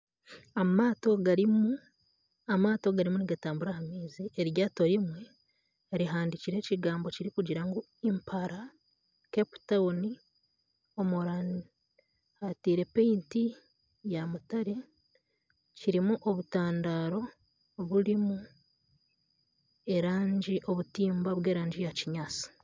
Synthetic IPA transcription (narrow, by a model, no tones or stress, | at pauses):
amaːto̞ɡaɾimu | amaːto̞ɡaɾimuniɡataːmbuɾahamiːzieɾjaːto̞ɾimwe̞ | ɾiɦaːndiciɾe̞ːciɡaːmbo̞ciɾikuɟiɾaŋɡu | impʰaɾa | kepu̥taoni | omuɾani | atiːɾe̞peinti | jamutaɾe̞ | ciɾimuʔo̞βutaːndaːɾo̞ | βuɾimu | e̞ɾaːɲɟiʔo̞βutiːmbaβwe̞ːɾaːɲɟijaciɲaːt͡si̥